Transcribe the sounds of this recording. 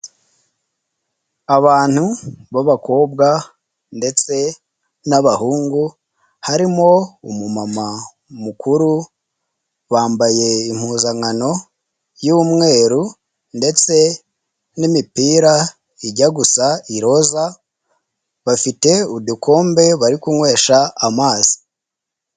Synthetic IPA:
aβaːn̥huβaβako̞ːbɡa | nde̞t͡se̞ | naβahuːŋɡu | haɾimo̞ṵmumama | mukuɾu | βaːmbaje̞im̥huːzaŋano̞ | jumŋe̞ːɾu | nde̞t͡se̞ | nimipiːɾa | iɟaɡusaiɾo̞za | βafite̞udukʰo̞ːmbe̞βaɾikuŋwe̞ːʃaːmaːz̥i̥

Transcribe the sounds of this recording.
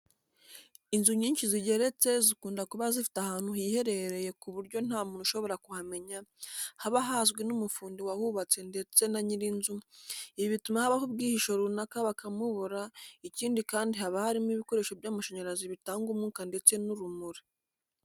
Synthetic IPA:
inzuɲiːnʃiziɟe̞ɾe̞t͡se̞zikuːndakuβazifi̥tahaːn̥huɦihe̞ɾe̞ɾe̞je̞kuβuɾɟo̞n̥haːmuːnuʃo̞βo̞ɾakuhame̞ɲahaβaɦazɡwenumufuːndiwahuβat͡se̞nde̞t͡se̞naɲiɾinzuiβiβitumahaβahub̚ɡiːhiʃo̞ɾunakaβakamuβoɾaiciːndikaːndihaβahaɾimiβiko̞ɾe̞ʃobjaːmaʃaɲaɾaziβitaːŋɡumŋuːkande̞t͡se̞nuɾumuɾi

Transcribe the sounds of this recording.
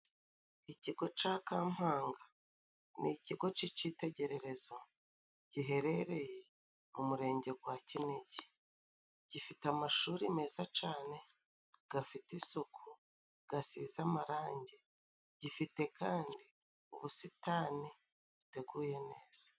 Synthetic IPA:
iciɡo̞t͡ʃaːkaːm̥haːŋɡa | niciɡo̞t͡ʃiciːte̞ɟe̞ɾe̞ɾe̞zo̞ | ɟ̥iɦe̞ɾe̞ɾe̞je | mumuɾe̞ːɲɟe̞ɡwacineɟi | ɟ̥ifitamaʃuːɾime̞ːzat͡ʃaːne̞ | ɡ̥afitisokʰu | ɡ̥asizamaɾaːɲɟe | ɟ̥ifite̞kaːndi | ṵβusitani | βute̞ɡuːje̞ne̞ːz̥ḁ

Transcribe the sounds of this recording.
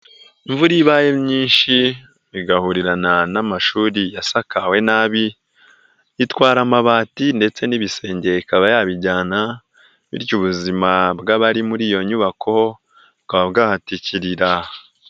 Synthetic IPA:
iɱvuɾiβaːjemɲiːnʃi | βiɡahuɾiɾananamaʃuːɾijasakawe̞naβi | itwaːɾamaβaːtinde̞t͡se̞niβise̞ːɲɟe̞ikaβajaːβiɟaːna | βḭɾɟuβuzimabɡaβaɾimuɾiːjo̞ɲuβakʰo̞ | kaβabɡaːhaticiɾiɾa

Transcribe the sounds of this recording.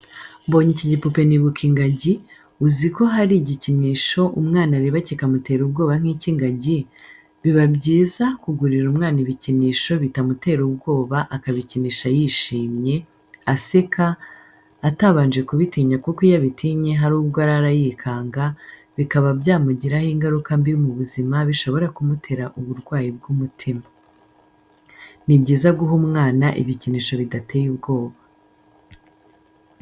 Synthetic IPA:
bo̞ːɲiciɟipupe̞niβukʰiŋɡaɟi | uziko̞ɦaɾiɟiciniːʃo̞ʔumŋaːnaɾiβacikamute̞ɾubɡo̞ːβan̥hiːciŋɡaɟi | βiβabɟiːzakuɡuɾiɾumŋaːniβiciniːʃo̞βitamute̞ɾubɡo̞ːβaʔakaβiciniːʃajiʃiːmɲe̞ | asekʰaː | taβaːnd͡ʒe̞kuβitiːɲakukijaβitʰiːɲe̞ɦaɾuːbɡoaɾaɾajikʰaːŋɡaβikaβabjaːmuɟiɾahiŋɡaɾukambijumuβuzimaβiʃo̞βo̞ɾakumutʰe̞ɾaʔuβuɾɡwaːjib̚ɡuːmutʰima | nibɟiːzaɡuɦumŋaːnaʔḭβiciniʃo̞βidate̞jubɡo̞ːβa

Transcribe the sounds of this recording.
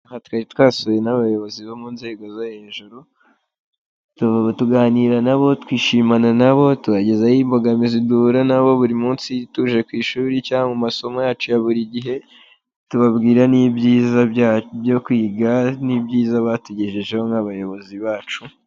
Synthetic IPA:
ahatkaɾitwaːsoje̞naβajo̞βo̞ziβomunze̞ːɡo̞zohe̞ːʒuɾu | tuvaβatuɡaːniɾanaβo̞twiːʃiːmananaβo̞tuβaɟezajiːmbo̞ɡamiziduɾanaβo̞βuɾimuːnsituʒe̞kwiːʃuːɾicaːŋɡumaso̞mojaːt͡ʃujaβuɾiɟiɦe̞ | tuβabɡiːɾaniːbɟiːzaabjo̞kwiːɡanibɟiːzaβatuɟeʒeʒe̞hoŋhaβajo̞βo̞ziβaːt͡ʃu

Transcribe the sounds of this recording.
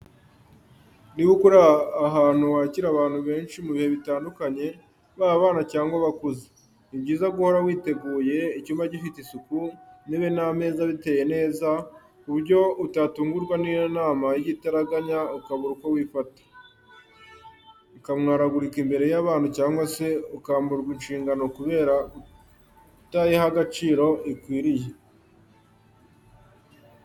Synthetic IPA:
niβukuɾaːɦaːn̥uwaːciɾaβaːn̥huβe̞ːnʃimuβihe̞βitaːndukaɲe̞ | βaaβaːnacaːŋɡwaβakuze̥ | ibɟiːzaɡuho̞ɾawiːte̞ɡuːje̞icuːmaɟifitisukuniβename̞ːzaβite̞ːje̞ne̞ːza | uβuɾɟo̞utatuːŋɡuɾɡwanijonaːmajiɟitaɾaɡaɲaukaβuɾukowiːfatḁ | ukamŋaːɾaɡuɾikimbe̞ɾe̞jaβaːnhucaːŋɡwase̞ukaːmbuɾɡwinʃiːŋɡano̞kuβe̞ːɾa | utaːjehaɡat͡ʃiːɾo̞ʔikwiːɾije

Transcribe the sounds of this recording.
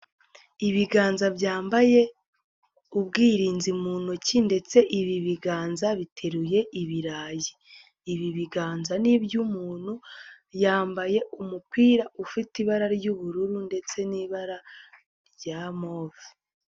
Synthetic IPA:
iβiɡaːnzabɟaːmbaje̞ | ubɡiːɾiːnzimuːnocinde̞t͡se̞ʔiβiβiɡaːnzaβitʰe̞ɾuje̞ʔiβiɾaːjiː | βiβiɡaːnzanibjumuːn̥hu | jaːmbaje̞umukwiːɾaufitiβaɾaɾɟuβuɾuɾunde̞t͡se̞niβaɾa | ɾɟamoːvi

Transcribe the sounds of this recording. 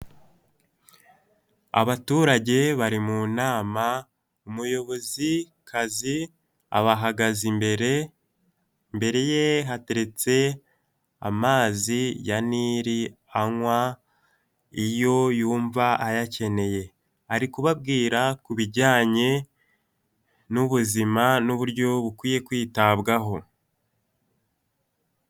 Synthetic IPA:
a̰βatuːɾaɟe̞βaɾimunaːma | umujo̞βo̞zi | kʰazi | a̰βaɦaɡazimbeɾe | mbe̞ɾe̞je̞ɦate̞ɾe̞t͡se̞ | a̰maːzijaniɾi | aŋwa | ijo̞juːɱvaajace̞ne̞je̞ | haɾikuβab̚ɡiːɾakuβiɟaːɲe̞ | nuβuzimanuβuɾɟo̞βukwiːje̞kwiːtaβɡaɦo̞

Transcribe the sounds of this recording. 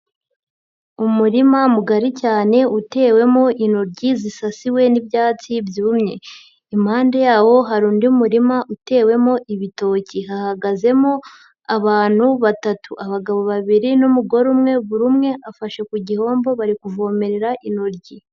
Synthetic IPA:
umuɾimamuɡaɾicaːne̞ute̞ːwe̞mo̞ʔinoɾɟizisasiwe̞nibjaːt͡sibjuːmɲe̞̰ | imhaːndejaːwo̞ɦaɾuːndiumuɾimaʔute̞ːwe̞mo̞ʔiβito̞ːciɦahaɡaze̞mo̞ | aβaːn̥huβatatuʔaβaɡaβo̞βaβiɾinumuɡo̞ɾumŋe̞βuɾumŋe̞ʔafaʃe̞kuɟiho̞ːmbo̞βaɾikuvo̞ːme̞ɾe̞ɾaʔinoɾɟi

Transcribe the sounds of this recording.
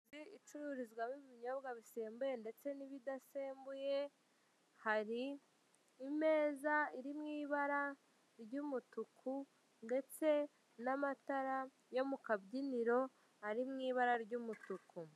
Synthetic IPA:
ziit͡ʃuɾuɾizɡwamiβiɲo̞bɡaβise̞ːmbuje̞nde̞t͡se̞niβidase̞ːmbuje̞ | haɾiː | me̞ːzaiɾimŋiːβaɾa | ɾɟumutukʰu | nde̞t͡se̞ | namataɾa | jo̞mukabɟiniɾo̞ | haɾimŋiːβaɾaɾɟuːmutuku

